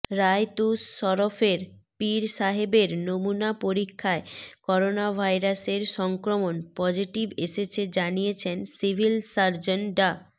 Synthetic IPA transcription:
ɾajt̪usːɔɾofeɾpiɾʃaɦebeɾnomunapoɾikʰːaekɔɾonabʱajɾaseɾʃɔŋkɾomonpɔd͡ʑiʈibeʃet͡ɕʰed͡ʑanijet͡ɕʰensibʱilsaɾd͡ʑonɖa

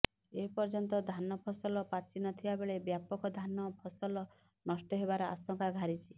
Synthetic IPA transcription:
eɦpɔɾd͡ʒɔnt̪ɔd̪ʱanɔpʰɔsɔlɔpat͡ʃinɔt̪ʰibabeɭebjapɔkɔd̪ʱanɔpʰɔsɔlɔ | nɔsʈɔɦebaɾɔa̰sɔŋkaɡʱaɾit͡ʃʰi

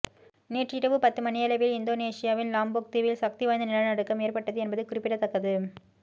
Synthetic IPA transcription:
neːʈrɪɾɐʋɯpɐt̪ːɯmɐnɪjɐlɐʋɪlɪnd̪oːneːsɪjaːʋɪnlaːmboːk̚t̪iʋɪlsɐk̚t̪iʋɐːɐnd̪ɐnɪlɐɭnɐɽɯkːɐmeːrpɐʈːɐðɯɛnbɐðɯkʊrɪpːɪɽɐt̪ːɐkːɐðɯ

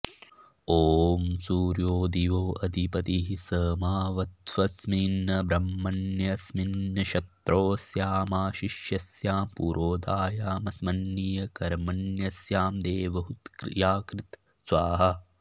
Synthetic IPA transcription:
oːmsuːɾjoːd̪iʋoːʔɐd̪ipɐt̪iɦisəːmaːʋɐt̪ʋɐsminːɐbɾɐmːɐnjɐsminːɐʃɐt̪ɾoːsjaːmaːʃiʃjɐsjaːmpuːɾʔoːd̪aːjaːmɐsmɐnːijɐkɐɾmɐnjɐsjaːmd̪eːʋɐɦut̪kɾḭjaːkɾɪt̪ | sʋaːɦɐ

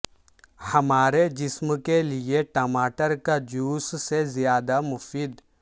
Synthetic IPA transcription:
hɐmaːɾed͡ʒɪsmkelieʈɐmaːʈəɾkad͡ʒuːssezɪjaːd̪amʊfiːd̪

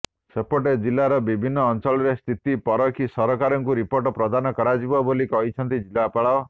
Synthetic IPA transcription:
sepoʈed͡ʒilːaɾɔbibʱinːɔːnt͡ʃɔɭɔɾest̪ʰit̪ipɔɾɔkʰisɔɾɔkaɾɔŋkuɾipoɾʈɔpɾɔd̪ʱanɔkɔɾad͡ʒibɔbolikɔɦit͡ʃʰʌnt̪id͡ʒilːapaɭɔ

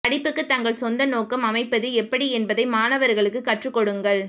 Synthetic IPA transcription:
pɐɽɪpːɯkːɯt̪ːɐŋɡɐɭsɔnd̪ɐnoːkːɐmɐmɐɪpːɐðɯɛpːɐɽiɛnbɐðɐɪmaːnɐʋɐɾɣɐɭɯkːɯkːɐʈrɯkːɔɽɯŋɡɐɭ

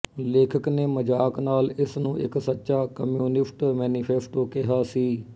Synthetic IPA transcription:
leːkʰəkneːməd͡ʒaːknaːlɪsnũːʔɪ̰ksətːʃaːkəmjuːnɪsʈmɛːniːpʰɛːsʈoːkɪɦaːsiː

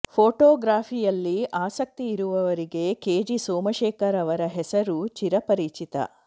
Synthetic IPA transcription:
pʰoːʈoːɡɾaːpʰijɐlːiʔaːsɐk̚t̪iːɾuʋɐʋɐɾiɡe̞keːd͡ʒisoːmɐʃɛːkɐɾɐʋɐɾɐɦɛsɐɾut͡ʃiɾɐpɐɾiːt͡ʃit̪ɐ̰

